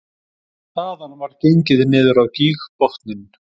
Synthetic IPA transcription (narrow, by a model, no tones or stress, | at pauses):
aðanːavaɾcejɲcɪðnɪːðʏɾawciːɣpɔht̪nɪn